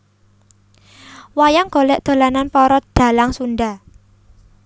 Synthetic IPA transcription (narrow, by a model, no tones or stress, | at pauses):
wajaŋɡ̥o̤lɛʔd̪̥o̤lananpɔɾɔd̪̥a̤laŋsunɖa